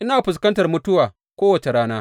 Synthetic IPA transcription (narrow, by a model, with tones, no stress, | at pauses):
ʔɪ˦naː˨ɸɪ˨s̬kɐ˦ntɐ˨rmʊ˦tʊ˦waː˨ | kʷoː˦wɐ˨t͡ʃe˨ɾaː˦naː˦